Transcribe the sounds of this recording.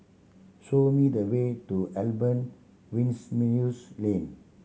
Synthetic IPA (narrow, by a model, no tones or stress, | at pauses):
somid̪əwetuʔɛlbə̃n | wĩnsminuslẽn